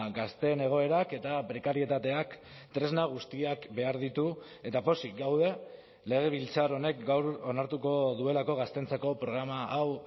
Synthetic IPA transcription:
ɡast̪e̞ne̞ɣ̞o̞e̞ɾake̞t̪apɾe̞kaɾie̞t̪at̪e̞ak | t̪ɾe̞znaɣ̞ust̪iakbe̞aɾðit̪u | e̞t̪apo̞siɡawð̞e̞ | le̞ɣ̞e̞β̞ilt͡saɾo̞ne̞k̚ɡawɾo̞naɾt̪uko̞ðue̞lako̞ɣ̞ast̪ent͡sako̞pɾo̞ɣ̞ɾamaʔaw

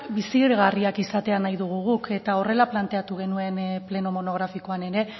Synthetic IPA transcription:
bisiɾɣariakisat̪e̞anajðuɣ̞uɣuke̞t̪ao̞re̞laplant̪e̞at̪uɣ̞e̞nue̞nple̞no̞mo̞no̞ɣ̞ɾafiko̞ane̞ɾe̞

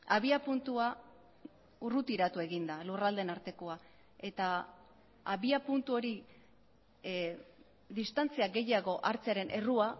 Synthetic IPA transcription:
aβiapunt̪ua | urut̪iɾat̪ue̞ɣind̪alurald̪e̞naɾt̪e̞koa | e̞t̪aː | βiapunt̪uo̞ɾi | ðist̪ant͡siaɡe̞jaɣo̞ʔaɾt͡seaɾe̞nʔe̞rua

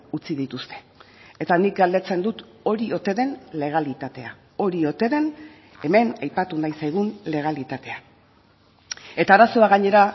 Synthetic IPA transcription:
ut͡siðit̪ust̪e̞̥ː | t̪anik̚ɡald̪e̞t͡se̞nd̪ut̪ | o̞ɾio̞t̪e̞ðe̞nle̞ɣ̞alit̪at̪e̞a | o̞ɾio̞t̪e̞ðe̞n | e̞me̞najpat̪unajsajɣ̞unle̞ɣ̞alit̪at̪e̞a | e̞t̪aːɾaso̞aɣaɲe̞ɾa

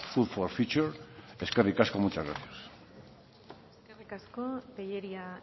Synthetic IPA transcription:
fuðfolfit͡ʃuɾeskerikaskomut͡ʃazɣɾa̰θjas | eskerikaskopejeɾia

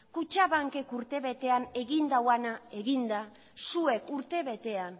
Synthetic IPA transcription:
kut͡ʃaβaŋke̞kuɾt̪e̞βe̞t̪e̞ane̞ɣind̪awanae̞ɣind̪a | sue̞kuɾt̪e̞βe̞t̪e̞an

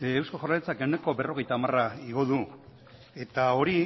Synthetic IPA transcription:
ewskoʝoralet͡sakewne̞ko̞be̞ro̞ɣ̞e̞jt̪aːmaraiɣo̞ðu | e̞t̪ao̞ɾi

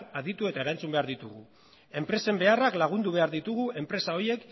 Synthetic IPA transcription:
aðit̪ue̞t̪ae̞ɾant͡sumbe̞aɾðit̪uɣu | e̞mpɾe̞se̞mbe̞araklaɣ̞und̪uβe̞aɾðit̪uɣue̞mpɾe̞sao̞je̞k

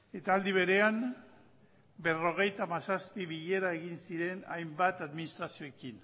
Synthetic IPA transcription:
e̞t̪aːld̪iβe̞ɾeam | be̞ro̞ɣ̞e̞jt̪amasaspiβiʎe̞ɾaeɣ̞insiɾe̞najmbat̪aðminist̪ɾasio̞ekin

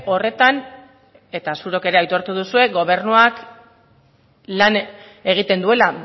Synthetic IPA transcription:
o̞re̞t̪an | e̞t̪asuɾo̞ke̞ɾe̞ajt̪o̞ɾt̪uð̞usue̞ɣo̞βe̞rnuak | lan | e̞ɣ̞it̪e̞nd̪ue̞la

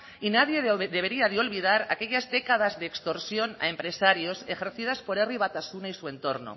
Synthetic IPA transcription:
inaðjeðeβ̞eɾiaðeo̞lβið̞aɾa̰ke̞ʎazðe̞kað̞azðeːkst̪o̞ɾsjo̞na̰e̞mpɾe̞saɾjo̞se̞xe̞ɾθið̞aspo̞ɾeriβ̞at̪asunaisue̞nt̪o̞ɾno̰

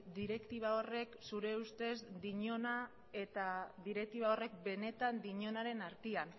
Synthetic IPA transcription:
d̪iɾe̞kt̪iβ̞ao̞re̞ksuɾe̞ust̪e̞sd̪iɲo̞na | e̞t̪aðiɾe̞k̚t̪iβao̞re̞k̚be̞ne̞t̪and̪iɲo̞naɾe̞naɾt̪ian

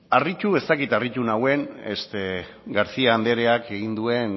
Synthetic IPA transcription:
arit͡ʃue̞st̪akit̪aric̪unawe̞nest̪e | ɡaɾt͡siaːnd̪e̞ɾe̞ake̞ɣ̞ind̪ue̞n

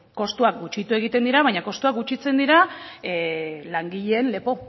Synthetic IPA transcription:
ko̞st̪uak̚ɡut͡ʃit̪ue̞ɣ̞it̪e̞nd̪iɾaβajɲako̞st̪uak̚ɡut͡ʃit͡se̞nd̪iɾa | laŋɡiʎeːnle̞po̞

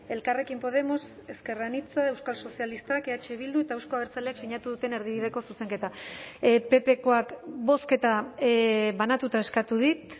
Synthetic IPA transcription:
e̞lkare̞kimpo̞ðe̞mo̞se̞ske̞ranit͡sae̞wskalso̞sialist̪akeat͡ʃe̞β̞ild̪ue̞t̪aewsko̞aβeɾt͡saleakseɲat̪uðut̪e̞ne̞ɾðiβið̞e̞ko̞suse̞ŋke̞t̪a | pe̞pe̞ko̞akbo̞ske̞t̪a | βanat̪ut̪ae̞skat̪uðit̪

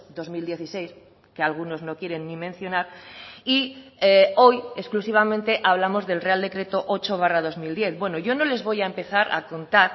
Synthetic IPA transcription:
d̪o̞zmild̪je̞θise̞js | kealɣ̞uno̞zno̞kje̞ɾe̞nːimẽn̟θjo̞naɾieo̞je̞sklusiβ̞amẽnt̪e̞ʔaβ̞lamo̞zðe̞lreald̪e̞kɾe̞t̪o̞ʔo̞t͡ʃo̞β̞arað̞o̞zmild̪je̞θβwe̞noʝo̞no̞le̞zβo̞jaempe̞θaɾʔa̰ko̞nt̪aɾ

